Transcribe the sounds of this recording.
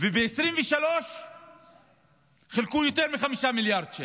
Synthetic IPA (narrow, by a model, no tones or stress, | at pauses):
vebeesʁimveʃalo̞ʃ | χilkujot̪eʁmiχamiʃamiljaʁd̪̚t͡ʃe